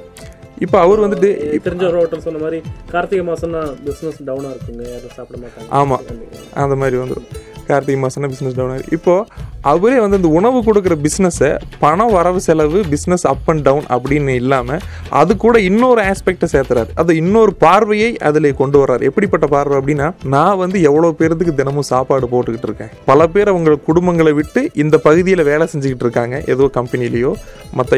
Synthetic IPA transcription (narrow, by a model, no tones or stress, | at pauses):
ɪpːoɐʋɐɾɯʋɐnd̪ɯʈːɯt̪ɪɾɪɲd͡ʒɐɾoɐʈːɐmsɔnːɐmaːd̪ɾikaːɾt̪ɪɣɐmaːsɔnːabɪsnɛsɖɐʊnaːɪɾɯkːɯŋɡɐɐðɐsaːpɽɐmaːʈːaːaːma̰ːɐ | ʔɐ̰nd̪ɐmaːd̪ɾiʋɐnd̪ɯɽɯ̰̃kaːɾt̪ːɪɣɐmaːsɔnːabɪsnɛsɖɐʊnaːɪɾkːɪpːoːʔɐʋɐɾeːʋɐnd̪ɯɪnd̪ɐʊɳɐʋɯk̬ʊɽɯk̬ːɯɾɐbɪsnɛspɐɳɐ̃ʋɐɾɐʋɯsɛlɐʋɯbɪsnɛsɐpːɐɳɖɐʋʊnɐ̰pːɐɽɪnːɯɪlːaːmɐ | ʔɐ̰ðɯkːuːɽɐɪnːoːɾɯaːspɛk̚ʈɐseːɾt̪ɯɾa̰ːɾʔɐðoɪnːoːɾɯpaːɾʋɐjɐɪʔɐ̰ðɪleːkɔɳɖɯʋɐraːɾɛpːɐɽɪpːɐʈːɐpaːɾʋɐɐp̬ːɐɽɪnːaːnãːʋɐnd̪ɯɛʋːɐɭoːpeːɾɐðɯk̬ːɯd̪ɪnɐmõːsaːpaːɽɯpoːʈːɯkːɪʈːɪɾɯkːḛ̃ːpɐlɐp̬eːɾɐʋɐŋɡɐɭkʊɽʊmbɐŋɡɐɭɛʋɪʈːɯʔɪnd̪ɐpɐɣɯðɪjɪlɐʋeːlɛsɛɲd͡ʒɯkɪʈːɪɾɯkːaːŋɡɐʔɛ̰ðɐʋoːkɐmpɐnɪjɪlɐjoː | mɐt̪ːɐ